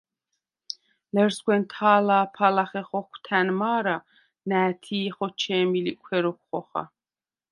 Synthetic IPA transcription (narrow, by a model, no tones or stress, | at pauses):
lɛɾsɡwɛnt̪ʰaːlaːpʰalaχɛχɔkʷʰt̪ʰænmaːɾa | næːt̪ʰiːχɔt͡ʃʰɛːmilikʷʰwɛɾɔkʷːɔχa̰